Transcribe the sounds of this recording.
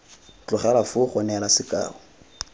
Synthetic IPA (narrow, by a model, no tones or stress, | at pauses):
t͡ɬʼʊχalafʊχɔnɛlasɪkʼa̰ːʊ